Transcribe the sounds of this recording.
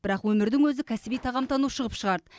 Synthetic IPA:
bɪɾɑqwɵmɪɾd̪ɪŋwɵzɪkʲʰæsɪbijt̪ʰɑʁɑmt̪ʰɑnuʃəʁəpʃəʁɑɾd̪ə

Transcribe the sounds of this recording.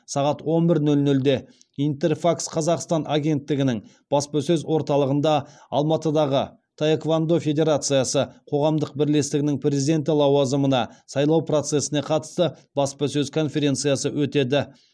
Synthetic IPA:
sɑʁɑt̪wo̞nbɪɾnɵlnɵld̪e̞ | int̪e̞rfaksqʰɑzɑqst̪ɑnʔaɡʲe̞nt̪ːɪɡʲɪnɪŋ | b̥ɑspɑsɵzwo̞ɾt̪ɑlˠəʁənd̪ɑ | ɑlˠmɑt̪əd̪ɑʁə | t̪ʰaekvand̪o̞fʲe̞d̪ʲe̞ɾat̪sɨjɑsəqʰo̞ʁɑmd̪əq̚bɪɾle̞st̪ɪɡʲɪnɪŋprʲe̞zid̪e̞nt̪ɪlˠɑwɑzəmənɑsɑjlˠɑwpro̞t̪se̞sɪneqʰɑt̪ə̥st̪əb̥ɑspɑsɵzkʰo̞nfʲe̞ɾʲe̞nt̪sɨjɑsəwɵt̪e̞d̪ɪ

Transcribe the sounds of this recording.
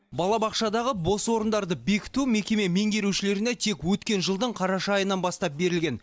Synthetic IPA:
bɑlˠɑbɑqʃɑd̪ɑʁəbo̞swo̞ɾənd̪ɑɾd̪əbe̞kʲɪ̥t̪ume̞kʲe̞me̞me̞ŋɡʲe̞ɾuwʃɪle̞ɾɪnet̪ʰe̞kwɵt̪kʲe̞nʒəlˠd̪əɴqʰɑɾɑʃɑːjənɑnbɑst̪ɑp̚be̞ɾɪlɡʲe̞n

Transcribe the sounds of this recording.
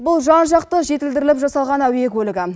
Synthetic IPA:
bʊlˠʒɑnʒɑqt̪əʒe̞t̪ɪld̪ɪɾɪlɪpʒɑsɑlˠʁɑnæwjekwɵlɪɡʲɪ

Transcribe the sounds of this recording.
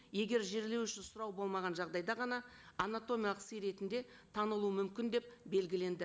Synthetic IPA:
je̞ɡʲe̞ɾʒe̞ɾle̞wʏʃɪnsʊɾɑwbo̞lˠmɑʁɑnʒɑʁd̪ɑjd̪ɑʁɑnɑː | nat̪o̞mijalˠəqsejɾe̞t̪ɪnd̪e̞ | t̪ʰɑnəlˠuəmʏmkʲɪnd̪e̞p̚be̞lɡʲɪle̞nd̪ɪ

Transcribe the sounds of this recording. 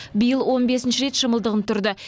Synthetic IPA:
bijəlˠwo̞nbe̞sɪnʃɪɾe̞t̪ʃɑməlˠd̪əʁənt̪ʰʊɾd̪ə

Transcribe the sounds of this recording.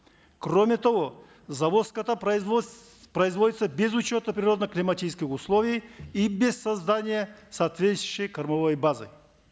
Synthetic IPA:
kromʲɪt̪ɐvo | zɐvoskɐt̪a | pɾɐɪzvo̞dʲɪt̪səbʲezʊt͡ɕo̞t̪əpɾʲɪɾo̞d̪nəklʲɪmɐtʲit͡ʃɪskʲɪxʊslˠovʲijibʲesɐzd̪anʲɪjəsaːt̪vʲesɪɕəjkɐɾmɐvojbazɨ̰

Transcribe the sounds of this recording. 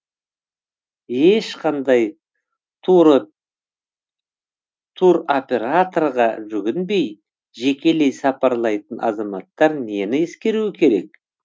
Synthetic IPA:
e̞ʃqʰɑnd̪ɑj | t̪ʰuɾo̞pʲe̞ɾat̪o̞rʁɑʒʏɡʲɪnbe̞j | ʒe̞kʲe̞le̞jsɑpɑɾlˠɑjt̪ənʔɑ̰zɑmɑt̪ːɑɾne̞nɪeskʲe̞ɾuwɪkʲʰe̞ɾe̞̰k̚

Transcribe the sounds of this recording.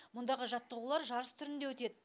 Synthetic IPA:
mʊnd̪ɑʁəʒɑt̪ːəʁulˠɑɾʒɑɾəst̪ʰʏɾɪnd̪e̞wɵt̪e̞d̪ɪ

